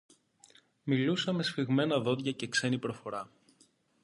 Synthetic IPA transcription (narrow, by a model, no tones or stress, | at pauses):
milusɐme̞sfiɣme̞nɐðo̞ðʝɐce̞kse̞nipɾo̞fo̞ɾɐ